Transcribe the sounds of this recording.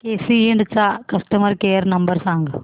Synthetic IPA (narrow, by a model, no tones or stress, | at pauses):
keːsieɳɖt͡ʃːaːkɐsʈɐmɐɾkeːɐɾnɐmbɐɾsaːŋɡɐ